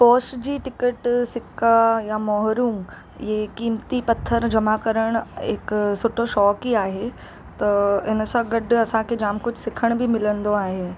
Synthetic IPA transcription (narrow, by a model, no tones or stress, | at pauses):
pɔːsd͡ʑiːʈɪkəʈsɪkʰajamɔːɦɾuːm | jekiːmt̪ipɐt̪ʰːəɾd͡ʑɐmakəɾəɽ̃ɪ̰ksʊʈʰoʃɔːkiaːɦe | t̪ɐɪnsãɡɐɖɐsãkʰed͡ʑaːmkʊd͡ʑʱsɪkʰəɽ̃bʱɪmɪlə̃nd̪oaːɦeː